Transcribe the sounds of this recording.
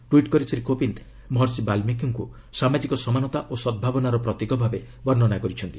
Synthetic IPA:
ʈwiʈkɔɾisɾikopint̪ | mɦɔɾsibalmikiŋku | samad͡ʒikɔsɔmanɔt̪aʔosɔd̪̚bʱabɔnaɾɔpɾɔt̪ikɔbʱabe | bɔɾnɔnakɔɾit͡ʃʰɔnt̪i

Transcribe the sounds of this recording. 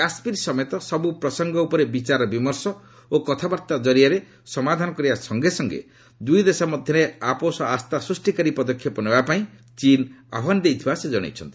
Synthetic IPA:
aspiɾsɔmɔjt̪ɔsɔbupɾɔsɔŋɡɔupɔɾebit͡ʃaɾɔbimɔɾsɔ | okɔt̪ʰabaɾt̪ad͡ʒɔɾiaɾe | sɔmad̪ʱanɔkɔɾibasɔŋɡesɔŋɡḛ | d̪ujd̪esamɔd̪ʱjɔɾeaposɔast̪asɾusʈikaɾipɔd̪ɔkʰjɔpɔnebapaĩ | t͡ʃina̰bʱand̪ejt̪ʰibased͡ʒɔɽ̃ḛjt͡ʃʰɔnt̪ii̥

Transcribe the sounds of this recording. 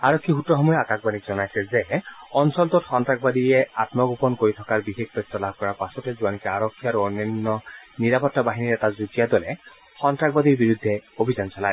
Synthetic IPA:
aɹɔkʰːixutːɔxɔmɔjɔakakbanikzɔnajsɛzɛɔnsɔltɔtxɔntɹakbad̪ijɛatmɔɡupɔnkoɹit̪ʰɔkaɹbixek̚pɔttɔlab̚kɔɹaɹpasɔtɛzuanikɛaɹɔkʰːiaɹuɔnɔnːɔniɹapɔtːabaɦiniɹɛtazud͡ʒijadɔlɛ | xɔntɹakbad̪iɹbiɹud̪ʱːɛobʱizansɔlaj

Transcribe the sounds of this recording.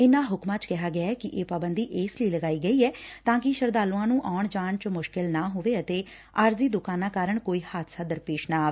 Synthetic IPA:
ɪnãːɦʊkmãːt͡ʃkɛɦaːɡɪaːɛːkɪʔeːpaːbənd̪iːʔɪːsləiːləɡaːiːɡəiːɛːt̪ãːkɪʃəɾd̪aːlũãːnũːʔaːʊɳd͡ʒaːnt͡ʃmʊʃkɪlnaːɦoːʋeːət̪eː | aːɾziːd̪ʊkaːnãːkaːɾəɳkoːiːhaːt̪saːd̪əɾpeːʃnaːaːʋe

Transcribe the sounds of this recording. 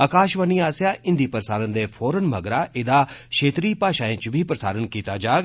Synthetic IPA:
əkaːʃʋəniːaːsjaːɪ̃nd̪iːpɾəsaːɾənd̪eːfʰoːɾənməɡɾaːʔɪd̪aːkʃeːt̪ɾiːpaːʃaːẽːt͡ʃbʱiːpɾəsa̰ːɾənkiːt̪aːd͡ʒaːɡ

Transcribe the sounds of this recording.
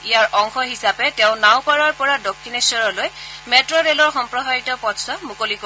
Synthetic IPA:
ijaɹʔɔŋxɔɦisapɛtɛʊ̃naw̃paɹaɹpɔɹadokʰːinesɔɹɔlojmɛtɹɔɹelɔɹxɔmpɹɔɦajitɔpɔsɔmukoliko

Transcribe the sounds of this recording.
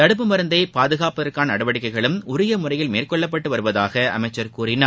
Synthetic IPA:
ɐɽɯp̬ːɯmɐɾɯnd̪ɐɪpaːðɯɣaːpːɐðɐrkaːnnɐɽɐʋɐɽɪkːɐɪɣɐɭɯmʊɾɪjɐmʊrɐjɪlmeːrkɔɭːɐp̬ːɐʈːɯʋɐɾɯʋɐðaːɣɐɐ̰mɐɪt͡ʃːɐɾkuːɾɪna

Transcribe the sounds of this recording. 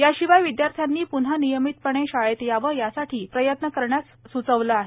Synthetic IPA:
jaɕiʋajʋid̪jaɾt̪ʰjanːiːpun̤ɦanijəmit̪̚pəɳ̃eɕajet̪jaʋəjasaʈʰiːpɾəjət̪nəkəɾɳjas | sut͡səʋləaɦe

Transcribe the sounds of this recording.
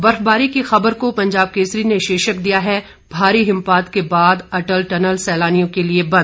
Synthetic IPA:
bɐɾfbaːɾikixɐbəɾkopɐ̃ɲd͡ʒaːb̚keːsɾineʃeːʃəkd̪ijaɦɛ | bʱaːɾiɦɪ̃mpaːt̪kebaːd̪ɐʈəlʈɐnəlsɛːlaːnijõkeliebɐ̃nd̪̚

